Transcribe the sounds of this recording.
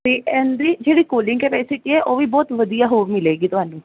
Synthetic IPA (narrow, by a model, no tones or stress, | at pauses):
t̪iːɛ̃ːnd̪ɾiːd͡ʒeːɽiːkoːlɪ̃ŋɡkɛpɛːsɪʈiɛʔoːʋiːbɔːt̪ʋəd̪ijaːɦoːɾmɪleːɡiːt̪ʊɦaːnũː